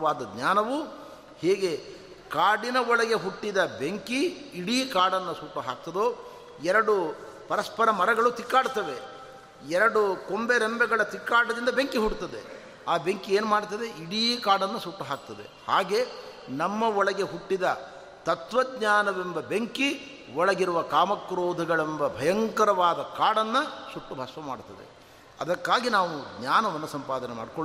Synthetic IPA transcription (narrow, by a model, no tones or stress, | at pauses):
ʋaːd̪ɐd̪ɲaːnɐʋu | heːɡe̞ | kaːɽinɐɔɭɐɡe̞ɦuʈːid̪ɐbeŋkiːɽiːkaːɽɐnːɐsuːʈuɦaːk̚t̪ɐd̪oː | ɛɾɐɽupɐɾɐspɐɾɐmɐɾɐɡɐɭut̪ikːaːɽt̪ɐʋe | ɛɾɐɽukombeɾembɛɡɐɭɐt̪ikːaːɽɐd̪ind̪ɐbeŋkiɦuɽt̪ɐd̪e | aːbeŋkieːnumaːɽt̪ɐd̪e̞iɽikaːɽɐnːɐsuʈːuɦaːk̚t̪ɐd̪e̞̰haːɡe̞ː | nɐmːɐɔɭɐɡeɦuʈːid̪ɐ | t̪ɐt̪ʋɐɡɲaːnɐʋembɐbeŋki | ɔɭɐɡiɾuʋɐkaːmɐkːɾoːd̪ʱɐɡɐɭembɐbʱɐjɐŋkɐɾɐʋaːd̪ɐkaːɽɐnːɐsuʈːubʱɐsʋɐma̰ːɽt̪ɐd̪ḛ | ɐ̰d̪ɐkːaːɡinaːʋuɡɲaːnɐʋɐnːɐsɐmpaːd̪ɐnema̰ːɖkoɭ